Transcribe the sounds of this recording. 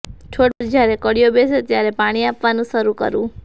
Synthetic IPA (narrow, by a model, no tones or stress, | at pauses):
t͡ʃʰoɽbəd͡ʒʱaɾekəɽijobeset̪jaɾepaɽ̃iapʋanũʃəɾukə̰ɾũ